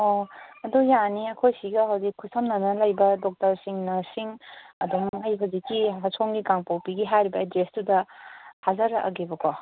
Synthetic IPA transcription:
oɐdujaniɐkʰojsiɡɐɦawzikʰːusɐmnɐnɐlajbɐdɔk̚tɐɾsiŋnɐsiŋɐdomajbɐzikiɦasʰoŋɡikaŋpawpiɡiɦajɾibɐedestudɐhazɐɾaʔɐ̰ɡebɐkʰɔ

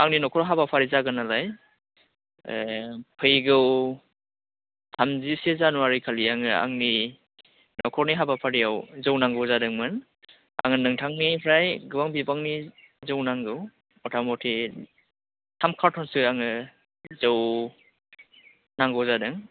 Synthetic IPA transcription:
aŋninɔkʰɔɾɦabapʰaɾizaɡɯnalaj | pʰɯjɡɯw | tʰamzisezanuwaɾikʰaliaŋɯa̰ŋni | nɔkʰɔɾniɦabapʰaɾijawzɯwnaŋɡɔwzadɯŋmɯn | a̰ŋɯnɯŋtʰaŋnipʰɾajɡɯwaŋbibaŋni | zɯwnaŋɡɯw | ɔtʰamɔtʰi | tʰamkʰaɾtʰɔnsɯaŋɯ | zɯw | naŋɡɔwzadɯŋ

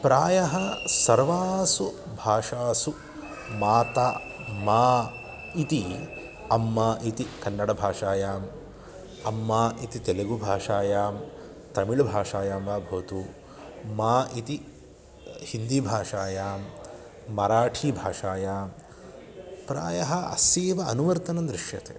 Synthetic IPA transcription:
pɾaːjɐɦɐsɐɾʋaːsu | bʱaːʂaːsu | maːt̪aːmaː | it̪i | ɐmːaːʔit̪ikɐnːɐɽɐbʱaːʂaːjaːm | ɐmːaːʔit̪it̪eleɡubʱaːʂaːjaːm | t̪ɐmiɭbʱaːʂaːjaːmʋaːbʱoːt̪u | maːʔit̪i | hind̪ibʱaːʂaːjaːmː | ɐɾaːʈʰiːbʱaːʂaːjaːm | pɾa̰ːjɐɦɐɐ̰siːʋɐɐnuʋɐɾt̪ɐnɐnd̪ɾiʂjɐ̰t̪ḛː

